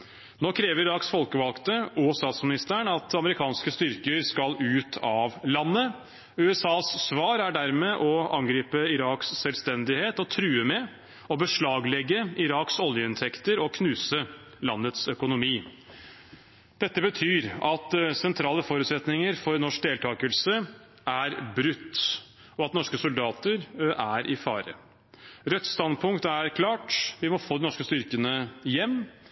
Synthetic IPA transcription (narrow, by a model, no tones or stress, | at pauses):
noːkʰɾeːʋəɾɪɾɑːksfɔlkəʋɑlkt̪əoːst̪ɑːt̪smɪnɪst̪əɳɑt̪ɑməɾɪkʰɑːnskəst̪ʏɾkəɾskɑlʉːt̪ʰɑʋlɑnːə | ʉːɛsɑːssʋɑːɾæɖæɾmeːʔɔɑŋɡɾiːpəɪɾɑːkssɛlst̪ɛnd̪ɪheːt̪ɔt̪ʰɾʉːəmɛ | ɔbəʂɭɑːɡlɛɡːəɪɾɑːksɔljəɪnt̪ʰɛkt̪əɾɔkʰnʉːsə | lɑnːət̪sœkʊnʊmiː | d̪̥ɛt̪ːəbət̪ʰyːɾɑt̪sɛnt̪ʰɾɑːləfoːɾʉːt̪sɛt̪nɪŋəɾfɔɾnɔʂk̚d̪eːlt̪ʰɑːkəlsə | æɾbɾʉt̪ː | ɔɑt̪nɔʂkəsʊld̪ɑːt̪əɾʔæɾɪfɑːɾə̰ | ɾɛt̪ːst̪ɑnd̪̚pʰʊŋkt̪æɾkʰlɑːʈʋɪmɔfoːd̪ɪnɔʂkəst̪ʏɾkənəjɛmː